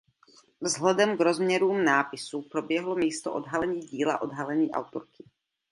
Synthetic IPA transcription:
vzɦlɛdɛmɡɾozmɲɛɾuːmnaːpɪsupɾobjɛɦlomiːst̪o̰ʔo̰d̪ɦalɛɲiːɟiːla̰ʔod̪ɦalɛɲiːʔa̰wt̪oɾkɪ̥

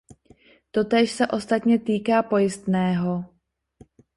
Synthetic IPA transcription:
t̪o̞t̪ɛːʃsɛʔo̞st̪at̪ɲɛt̪iːkaːpo̞jɪst̪nɛːɦo

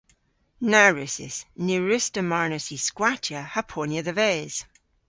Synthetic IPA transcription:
naɹɪsɪ̰snuɹɪstəmaɹnəsiskwatʰjəhəpʰonjəðəvɛːz̥

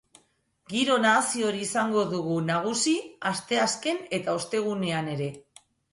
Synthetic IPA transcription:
ɡiɾo̞nasio̞ɾiːsaŋɡo̞ðuɣ̞unaɣ̞usiast̪e̞aske̞ne̞t̪ao̞st̪e̞ɣ̞une̞ane̞ɾe̞

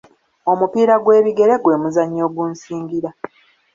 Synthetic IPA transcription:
o̞mupiːɾaɡwe̞ːβiɡe̞ɾe̞ɡwe̞ːmuzaɲːo̞ːɡuːnsiːŋɡiɾa

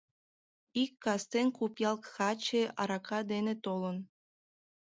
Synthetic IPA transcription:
ikːɑst̪enkupjɑlˠkxɑt͡ɕeɑɾɑkʰɑd̪enet̪olən

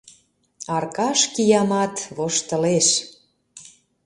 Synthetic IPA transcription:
ɑrkɑʃkijɑmɑt̪βoʃt̪ə̆leʃ

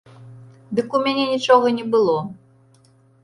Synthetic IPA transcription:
d̪ɨkumʲanʲenʲit͡ʂɔɣɐnʲɛbɨlˠɔ

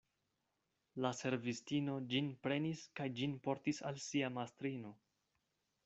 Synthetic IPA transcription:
lase̞ɾvistino̞d͡ʒinpɾe̞niskajd͡ʒinpo̞ɾtisa̰lsiamastɾino̞

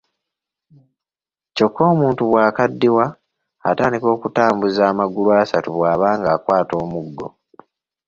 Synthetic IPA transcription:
co̞kːo̞ːmuːntuβwaːkadːiwa | ataːndiko̞ːkutaːmbuzaːmaɡuluasatuβwaːβaːŋɡaːkwaːto̞ːmuɡːo̞̰

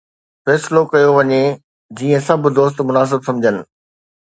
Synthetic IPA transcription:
fɛːsɪlokɐjoʋɐɲe | d͡ʑiːə̃sɐb̆ʱd̪oːs̬t̪mʊnaːs̬ɪbsɐ̃md͡ʑʱənɪ̆

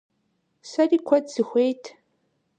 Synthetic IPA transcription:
sɐriːkʷʰɔdz̥ɨxʷejtʰ

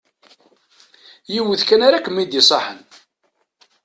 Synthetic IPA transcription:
jiwəðkænaɾakəmːid̪isˤɑħə̰n

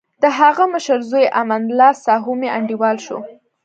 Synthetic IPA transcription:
d̪̥əɦaɣaməʃəɾzojeʔamand̪lɑsɑɦumeaɳɖiwɑlʃo̰

